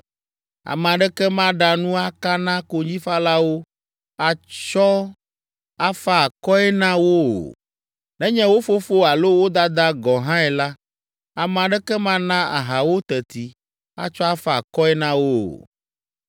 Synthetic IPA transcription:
a̰˨mɛ̃˨a˨ɖɛ˦kɛ˦mã˦ɖa˨nũ˦a˦ka˦nã˦ko˨d͡ʑĩ˦fa˦la˦wo˦ | a˨t͡ʃɔ˦ | a˦fa˦a˨kɔ˦ɛ˦nã˦wo˦o̰˨ | nɛ̃˦ɲɛ̃˦wo˦fo˦fo˦a˨lo˦wo˦d̪a˦d̪a˦ɡɔ˨ɦã˦ɛ˨la˦ | a˨m̃˨ã˨ɖɛ˦kɛ˦mã˦nã˦ʔa̰˨ɦa˨wo˦t̪ɛ˨t̪i˨ | a̰˦t͡ʃɔ˦a˦fa˦a˨kɔ˦ɛ˦nã˦wo̰˦˨

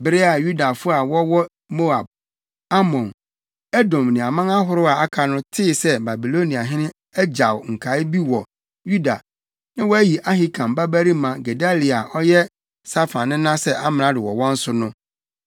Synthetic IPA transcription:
bɪ˨ɾɪ˦a˨ju˦da˨fʊ˦a˨wɔ˦wɔ˦ | mo˦a˨b̚ | a˦mɔ̃˨n | ɛ˦dɔ̃˨mnɪ̃˨a˨mã˦ŋa˦ɦʊ˦ɾʊ˦a˨a˦kʰa˨nʊ̃˦tʰɪ˦˨sɛ˦ba˨bi˨lo˦nĩ˨a˨ɦɪ̃˦nɪ̃˦ | ɛ˦d͡ʑa˨wŋ̩˨kʰa˨˦ɪ˦bi˦wɔ˨ | ju˦da̰˨ | nã˦wɔ˦æ˦ji˨ʔa˦ɦi˦kʰã˨m˨ba˦bæ˦ɾi˦mã˨ɡe˨da˦li˨a˨ʔɔ˦jɛ˦ | sa˦fã˨nːɪ̃˦nã˦sɛ˦ʔa˦mɪ̃˨nã˦dɪ˨wɔ̰˨wɔ̃˦n̩˦sʊ˦nʊ̃˦

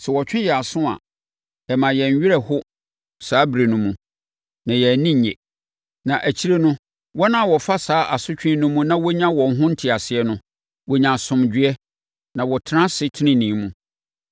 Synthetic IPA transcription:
sɛ˨wɔ˨t͡ɕᶣɪ̃˦jɛ˨a˨sʊ̃˦a̰˨ | ɛ˨mã˨jɛ˨ɲ˨ɥɪ˦ɛ˦hʊ˦ | saː˨˦bɾe˨nũ˦mũ˨ | nã˨jɛ˨æ˨nĩ˦ɲ˨ɛ̰˨ | nã˨ʔæ˨t͡ɕʰi˦ɾe˦nʊ̃˦ | wɔ˦nã˦˨wɔ˨fa˦saː˦ʔa˨sʊ˦t͡ɕᶣɪ̃˦nʊ̃˦mũ˦nã˦wɔ˦ɲã˦wɔ̃˨ŋ̩˦ɦʊ̃˦n̩˦tʰɪ˨a˨sɪ˨ɛ˦nʊ̃˦ | wɔ˨ɲã˨sʊ̃˨md͡ʑᶣɪ˦ɛ˦ | nã˨wɔ˨tʰnã˦sɪ˦tʰɪ˦nɪ̃˦nĩ˨˦mũ˦˨

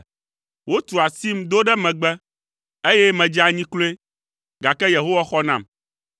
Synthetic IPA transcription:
wo˦t̪u˨a˨si˦md̪o˦ɖɛ˦mɛ̃˨ɡ͡bɛ˦ | e˦jɛ˦mɛ̃˨d͡ʒa˨ɲĩ˦klo˦e˦ | ɡa˨kɛ˦je˨ɦo˦wa˦xɔ˦nã˨m

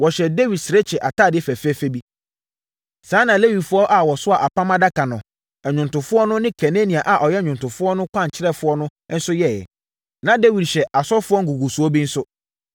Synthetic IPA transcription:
wɔ˨ɕɛ˨de˦wi˨dsɪ˨ɾe˦t͡ɕʰɛ˨ʔa˨tʰaː˦˨dɪ˦fæ˨fɛ˦fe˦bi˦ | sãː˨˦nã˨le˦wi˨dfʊ˦ɔ˦ʔa˨wɔ˨sʊ˦a˨ʔa˨pʰã˦mã˦da˦kã˨nʊ̃˨ | ɛ˨ɲᶣʊ̃˨ntʊ̃˨fʊ˦ɔ˦nʊ̃˦nɪ̃˦kʰɛ˨nẽ˦nĩ˨a˨ʔa˨ʔɔ˨jɛ˦ɲᶣʊ̃˨ntʊ̃˨fʊ˦ɔ˦nʊ̃˦kʷʰã˦˨ɲ˨t͡ɕʰɪ˦ɾɛ˦fʊ˦ɔ˦nʊ̃˦n̩˦sʊ˦jɛ˦˨jɛ̰˨ | nã˨de˦wi˨dɕɛ˨a˨sɔ˦fʊ˦ɔ˦ŋ̩˦ɡu˨ɡu˨su˨ɔ˦bi˦n̩˦sʊ˦

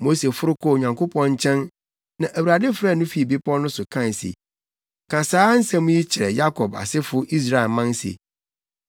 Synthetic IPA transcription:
mo˦se˨fʊ˦ɾʊ˦kʰɔ˦˨ɲã˨ŋkʰʊ˦pʰɔ̃˦ɲ̩˦t͡ɕʰɛ̃˦n | nã˨ʔæ˨wu˨ɾa˨dɪ˦fɾa˦˨nʊ̃˦fi˨˦e˨bi˦pʰɔ̃˦nʊ̃˦sʊ˨kʰã˦n˨sḭ˨ | kʰã˨saː˦n̩˦sã˦mũ˦ji˦t͡ɕʰɪ˨ɾɛ˨ja˦kʰɔ˨ba̰˨sɪ˦fʊ˦ʔi˦s̬ɾa˨e˨lmã˦n˦sḛ˨

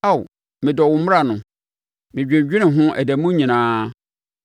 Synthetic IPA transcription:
a˦˨w | mɪ̃˨dɔ˨wʊ̃˨˦mʊ˦a˨nʊ̃˨ | mɪ̃˨d͡ʑᶣɪ̃˨d͡ʑᶣɪ˦nɪ̃˨ɦʊ̃˦ʔæ̰˨dæ˨mũ˦ɲĩ˨nãː˦

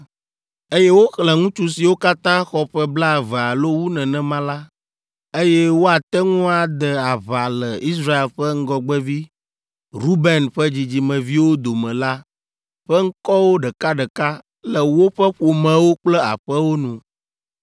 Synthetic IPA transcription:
e˦jɛ˦wo˦xlɛ̃˨ŋũ˦t͡ʃu˦si˨wo˦ka˦t̪ã˦xɔ˦ɸɛ˦bla˦˨vɛ˨a˨lo˦wu˦nɛ̃˨nɛ̃˨mã˦la˦ | e˦jɛ˦wo˦a˨t̪ɛ˦ŋũ˦a˨d̪ɛ˨a˨βa˨lə˨i˦s̬ɾa˦e˨lɸɛ˦ŋ̩˦ɡɔ˨ɡ͡bɛ˦vi˦ | ɾu˦bɛ˨nɸɛ˦d͡ʑi˨d͡ʑi˨mɛ̃˨vi˦wo˦d̪o˨mɛ̃˨la˦ | ɸɛ˦ŋ̩˦kɔ˦wo˦ɖə˨ka˦ɖə˨ka˦ | lɛ˨wo˦ɸɛ˦ɸo˨mɛ̃˨wo˦k͡plɛ˦a̰˨ɸɛ˦wo˦nũ˨

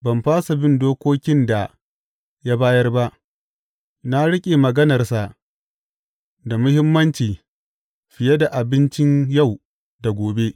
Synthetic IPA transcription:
bɐ˨mɸaː˦sa˨bɪ˦ndoː˦kʷoː˦kʲɪ˦nda˨ | ja˦baː˦jɐ˦rba˦ʔ | na˦ɽɪ˦kʲʼeː˨mɐ˨ɡɐ˦nɐ˨rsa˨ʔ | da˨mʊ˦hɪ˦mːɐ˦nt͡ʃiː˨ | ɸɪ˨je˦da˨ʔa˨bɪ˦nt͡ʃɪ˦ɲja˦˨w | da˨ɡʷoː˨be˦ʔ

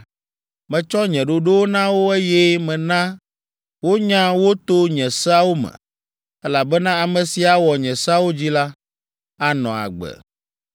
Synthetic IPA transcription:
mɛ̃˨t͡ʃɔ˦ɲɛ̃˨ɖo˨ɖe˦wo˦nã˦wo˦e˦jɛ˦mɛ̃˨nã˦ | wo˦ɲã˦wo˦t̪o˦ɲɛ̃˨sa˦wo˦mɛ̰̃˨ | ɛ˦la˨bɛ˦nã˦a˨mɛ̃˨si˨a˨wɔ˨ɲɛ̃˨sa˦wo˦d͡ʑi˦la˦ | a˦nɔ̃˨a̰˨ɡ͡bɛ̰˨

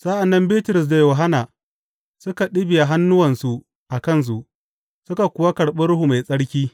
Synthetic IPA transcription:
sa˦ʔa˨nːɐ˦mbiː˦tʊ˨ɾʊ˨s̬da˨joː˨ɦa˦na˨ | sʊ˦ka˨ɗɪ˦bɪ˨ja˨ɦa˦nːʊ˦wɐ˨nsu˦ | ʔa˨kɐ˦ns̬u˨ʔ | sʊ˦ka˨kʷʊ˦wa˦kɐ˨ɽɓɪ˦ɽʊ˦hu˨ma˨jsʼɐ˦ɽkʲiː˦

